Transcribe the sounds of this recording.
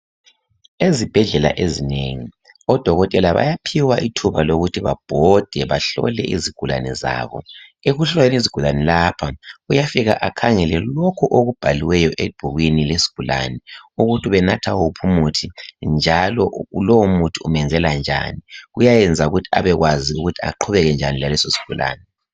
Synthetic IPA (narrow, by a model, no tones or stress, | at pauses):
ezib̥ʱɛɮɛla̰ʔezineŋi | ɔd̥ʱɔɣɔtʼɛlaβa̰japʰiwaʔitʰuβaloɣutʰiβa̰b̥ʱɔd̥ʱɛβaɬɔ̰lɛ̰ʔiziɡ̥ʱula̰nɛza̰ːβɔ̰eɣuɬaeniziɡ̥ʱulanɛlapʰaujafiɣa̰ʔakʰaŋɛlɛlɔkʰuʔoɣub̥ʱaliwɛjɔʔeb̥ʱuɣwinilesi̥ɡ̥ʱula̰nɛuɣutʰiβɛnatʰaupʰumutʰind͡ʒʱalɔulowomutʰiumɛnd͡zʱɛland͡ʒʱa̰niɣujajɛnd͡zʱauɣutʰia̰βɛɣwaziuɣutʰia̰ǃʰuβɛɣɛnd͡ʒʱanilalɛsosi̥ɡ̥ʱulʔa̰ːnɛ